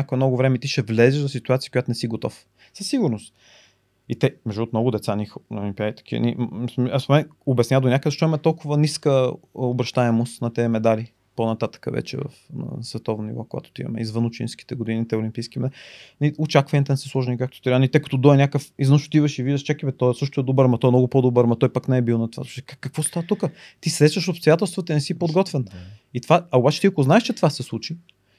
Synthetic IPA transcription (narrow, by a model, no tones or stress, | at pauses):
akoɛmnɔɡʊvɾɛmɛit̪iʃɛvlɛzɛʒzɐsit̪uat̪siə̥kojat̪ʊnɛsiɡot̪ɔ̰f | səsːiɡʊɾnʊst̪ | it̪ɛmɛʒiot̪mnɔɡʊd̪ɛt̪sanixnolʲimpiad̪it̪ɐ̥kiə̰nḭmssmɛnobɛsnʲad̪onʲakəd̪zɐʃt̪ɔimɛt̪ɔlˠkʊvəniskəobɾɐʃt̪aɛmost̪nɐt̪ɛmɛd̪ali | ponɐt̪at̪ə̥kə̰vɛ̰t͡ʃɛ̰və̰fnɐ̰svɛt̪ɔvnonḭvɔkoɡa̰t̪ʊ̥t̪ḭmɐ̰mɛ̰izvɤnʊt͡ʃḭnski̥t̪ɛɡʊd̪inʲit̪ɛʊlʲimpijskimɛniʊt͡ʃakvɐnʲɛt̪ɛnɛsə̥slˠɔʒnikak̚t̪o̥t̪ɾanit̪ɛkɐ̥t̪ɔd̪ɔɛnʲakəfizvənʃo̥t̪ivɐʃiviʒʃt͡ʃakibɛt̪ɔɛsɤʃt̪ʊɛd̪obəɾmət̪ɔɛnɔɡʊpod̪obəɾmɐt̪ɔjpaknɛɛbilˠnɐt̪ova̰ʃkkːəkvɔst̪avət̪ukət̪isɛsəʃopst̪ojat̪ɛlˠst̪vət̪əinɛsipod̪ɡɔt̪vɛnit̪vaɐobat͡ʃɛ̥t̪iɐkoznaɛʃt͡ʃɛt̪vasɛslˠut͡ʃi